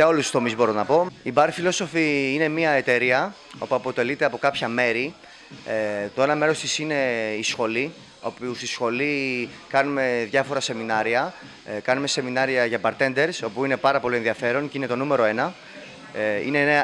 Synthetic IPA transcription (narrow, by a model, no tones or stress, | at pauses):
eolust̪u̥st̪o̞mizbo̞ɾo̞nɐpo̞ibɐɾfilo̞so̞fiine̞miɐet̪e̞ɾiɐ | o̞puɐpo̞t̪e̞lit̪e̞ɐpo̞kɐpçɐme̞ɾi | et̪o̞e̞nɐme̞ɾo̞st̪isine̞isxo̞li | opiusisxo̞li | kɐnume̞ðʝɐfo̞ɾɐse̞minɐɾiɐ | kɐnume̞se̞minɐɾiɐʝɐbɐɾt̪e̞nd̪e̞ɾso̞puine̞pɐɾɐpo̞lienðiɐfe̞ɾo̞nceine̞t̪o̞nume̞ɾo̞e̞nɐ | ḭne